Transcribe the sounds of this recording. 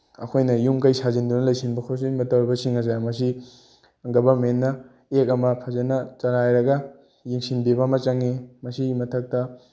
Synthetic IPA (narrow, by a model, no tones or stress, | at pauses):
ɐkʰojnɐjumkɐjsʰazind̪unɐlɐjsinbɐkʰos̬imɐtɐwɾibɐsiŋɐzajmɐs̬i | ɡɐbɐɾmenːɐ | ek̬̚ɐmɐpʰɐzɐnɐt͡ʃɐɾajɾɐɡɐ | jiŋsinbibɐmɐt͡ʃɐŋimɐsiimɐtʰɐk̚tɐ